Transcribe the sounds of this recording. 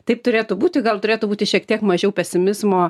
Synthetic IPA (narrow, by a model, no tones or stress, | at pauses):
t̪ɐɪpt̪ʊɾʲeːt̪ʊbuːt̪ʲɪɡɐlˠt̪ʊɾʲeːt̪ʊbuːt̪ʲɪʃʲiɛkt̪ʲiɛkmɐʒʲɛʊpʲɛsʲɪmʲɪzmoː